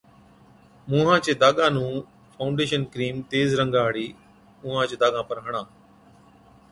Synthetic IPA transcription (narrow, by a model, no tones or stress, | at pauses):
mʊ̃ːɦãːt͡ʃeːd̪aːɠãːnũː | fʰaʊɳɖeːʃənkɾiːmt̪eːzɾə̃ŋɡaːɦɽiː | ʊ̃ːɦãːt͡ʃeːd̪aːɠãːpəɾɦəɽ̃ãː